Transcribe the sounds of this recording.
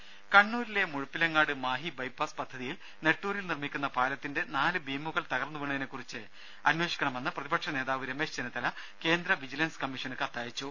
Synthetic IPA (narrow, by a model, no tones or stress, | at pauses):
kɐɳːuːɾile̞muɻupːilɐŋːaːɽɨmaːɦibɐjpːaːspɐd̪ʱːɐðijil | ne̞ʈːuːɾilnirmikʲːunːɐpaːlɐt̪ːinde̞naːlɨbiːmːuɣɐɭt̪ɐɣɐrnːɐʋiɳɐðinekːurit͡ɕːɨ | ɐnwe̞ːʂi̥kʲːɐɳɐme̞nːɨprɐðibɐʈʂɐne̞ːðaːʋiɾemesd͡ʑɐnɐt̪ːɐlɐ | ke̞ːnd̪ɾɐʋid͡ʑilɐnskɐmːiʂɐnukɐt̪ːaːjit͡ɕːu